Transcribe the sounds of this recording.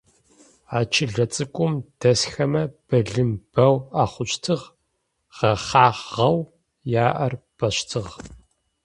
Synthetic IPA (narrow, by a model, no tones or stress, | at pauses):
aːt͡ʃʰɪɮɐt͡sʼɨkʷʼʊmd̥ɐsxɐmɐb̥ɐɮɨmb̥ɐwaːχʷʊt͡ʃʼtʰɨʁ | ʁ̥ɐχaːʁʁɐw | jaːʔɐrb̥ɐɕtʰɨʁ